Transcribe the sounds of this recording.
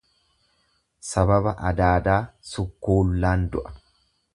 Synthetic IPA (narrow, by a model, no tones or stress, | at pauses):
sɐbɐbɐʔɐd̪aːd̪aːsʊkːoːlːaːnd̪ʊʔɐ̥